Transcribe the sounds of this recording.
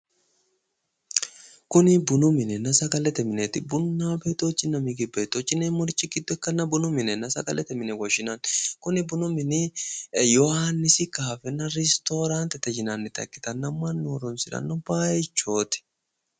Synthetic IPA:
kʊnɪbʊnʊmɪnɛnɐsɐɡɐlɛt̪ɛmɪnet̪ɪbʊnːaːbet̪oːt͡ʃːɪnːɐmɪɡɪbeːt̪ːot͡ʃːɪnːemʊɾt͡ʃːɪɡɪd̪ːɔɛkːɐnːɐbʊnʊmɪnɛnɐsɐkɐlʔɛt̪ɛmɪnɛwɐʃɪnɐnkʊnɪbʊnʊmɪnɪjɔhanːɪsɪkaːfɛnɐɾɛst̪oːɾaːnt̪ɛt̪ɛd͡ʒɪnanːɪt̪ɐ̰kːɪ̥t̪ɐnːɐmːɐnːɾɔnsɪlɐ̰nːʊbaːɛt͡ʃːoːt̪ɪ̥

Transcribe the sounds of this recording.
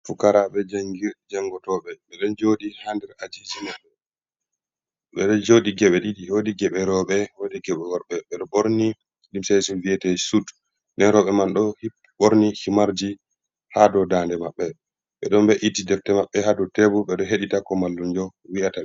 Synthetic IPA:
fukaɾaɓɛd͡ʒaŋɡiɾd͡ʒaŋɡɔtɔɓɛɓɛɗɔnd͡ʒodihandɛɾad͡ʒid͡ʒimaɓɛ | ɓɛɗɔd͡ʒodiɡɛɓɛɗidiodiɡɛɓɛɾɔɓɛwodiɡɛɓɛwɔɾɓɛɓɛɗɔɓoɾni | limsesuviɛtɛsud | ndɛnɾɔɓɛmanɗɔh | ɓoɾnihimaɾd͡ʒi | hadɔdaːndɛmaɓːɛ | ɓɛɗɔmbɛʔitidɛftɛmaɓːɛhadɔtebuɓɛɗɔɦeɗitakɔmalːund͡ʒɔwiʔata

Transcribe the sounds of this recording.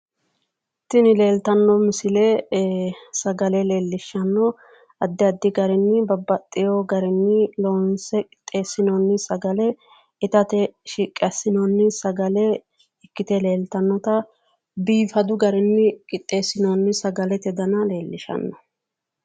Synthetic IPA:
t̪ːɪnɪle̞ːlt̪ɐnːɔmɪsɪle | sɐɡɐlɛle̞ːlːɪʃːɐnːɔ | ɐd̪ːɪɐd̪ːɪɡɐɾɛnːɪbɐbːɐt̪ʼːɪjoɡɐɾɛnːɪloːnsɛkʼɪ̥t̪ʼːe̞ːsɪnoːnːɪsɐɡɐlɛ | ɪt̪ɐt̪ɛʃiːkʼːɛsɪnɔnːɪsɐɡɐlɛ | ɪkːɪt̪ɛle̞ːlt̪ɐnːɔt̪ɐ | biːfɐd̪ʊɡɐɾɛnːɪkʼɪt̪ʼːe̞ːsɪnonːɪsɐɡɐlɛt̪ɛd̪ɐnɐle̞ːlːɪʃɐ̰nːɔ̥

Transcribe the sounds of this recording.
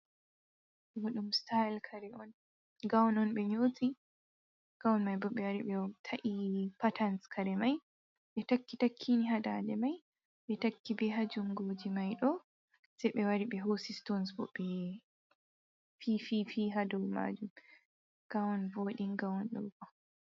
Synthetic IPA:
ɡɔɗumstalkʰaɾɛʔɔn | ɡawnɔnɓɛɲoːti | ɡ̥awnmajbɔɓɛwaɾiɓɛtʰaʔipatʰanskʰaɾɛmaj | ɓɛtakːitakʰːiniɦadaːdɛmaj | ɓɛtakːibɛɦad͡ʒumɡod͡ʒimajɗɔ | sɛjɓɛwaɾiɓɛɦosistonsbɔ̰ɓɛ | fififiɦadɔlma̰ːd͡ʒum | ɡ̥awɔnvoːɗinɡawɔnɗṵkɔ

